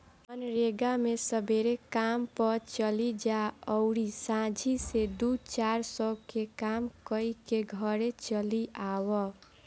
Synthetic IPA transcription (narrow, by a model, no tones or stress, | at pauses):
ənɾeɡamesəbeɾekampət͡ʃəlid͡ʒaəʊɾisãd͡ʒʱised̪ut͡ʃaɾsəkekamkəikeɡʱəɾet͡ʃəliawɔ